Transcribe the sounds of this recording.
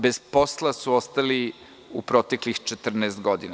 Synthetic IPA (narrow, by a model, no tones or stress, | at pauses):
bezpo̞slˠasuost̪ali | upɾot̪eklixt͡ʃet̪r̩neːst̪ɡo̞d̪ina